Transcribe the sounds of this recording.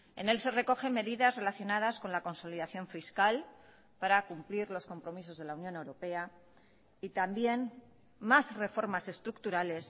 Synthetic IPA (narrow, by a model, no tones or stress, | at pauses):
e̞̰ne̞lse̞re̞ko̞xe̞me̞ðiðazre̞laθjo̞nað̞asko̞nlako̞nso̞liðaθjo̞ɱfiskal | paɾakumpliɾlo̞sko̞mpɾo̞miso̞zðe̞launjo̞ne̞wɾo̞pe̞a | it̪ambje̞n | masre̞fo̞ɾmase̞st̪ɾuk̚t̪uɾale̞s